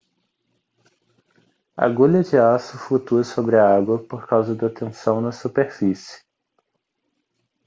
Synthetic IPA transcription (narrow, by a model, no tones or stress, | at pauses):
ɐ̰ɡuʎɐd͡ʒɪasʊflut̪uɐsobɾɪɐaɡwɐpoɾkawzɐd̪ɐt̪ẽsɐ̃w̃nɐsupeɾfisɪ̥